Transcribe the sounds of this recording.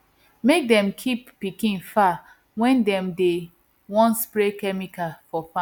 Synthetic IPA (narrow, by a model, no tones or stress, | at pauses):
mek̚dɛ̃mkʰippikĩnfa | wɛ̃ndɛ̃mde | wɔ̃nspɹekɛmikafɔfã